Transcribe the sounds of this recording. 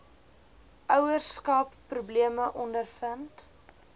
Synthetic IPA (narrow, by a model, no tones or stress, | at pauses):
ʔœwərskɐpːrubliəməʔɔndərfənt